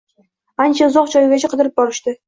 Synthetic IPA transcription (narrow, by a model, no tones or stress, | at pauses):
ant͡ʃʰaʊzɒqt͡ʃʰɒjɡʲat͡ʃʰaqʰɨd̪ɪɾɪp̚bɒɾɪʃt̪ɪ